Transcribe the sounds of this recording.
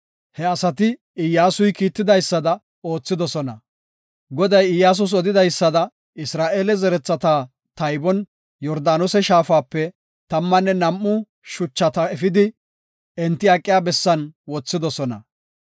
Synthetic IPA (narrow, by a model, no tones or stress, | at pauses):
hɛɐsɐt̪ɪ | ɪjːaːsʊjkiːt̪ːɪd̪ɐjsːɐd̪ɐ | o̞ːt͡sːɪd̪ɔsɔnɐ | ɡɔd̪ɐjɪjːaːs̬ʊs̬ɔd̪ɪd̪ɐjsːɐd̪ɐ | ɪsɾaːʔeːlɛzɛɾɛt͡sːɐt̪aː | t̪ɐjbɔn | jɔɾd̪aːnʊsɛʃaːfaːpːɛ | t̪ɐmːɐnːɛnɐmːʊ | ʃʊt͡ʃːɐt̪ɐɛfɪd̪ɪ | ɛnt̪ːɪɐkʼːɪjaːbɛsːɐnwɔt͡sːɪd̪ɔsɔnɐ̰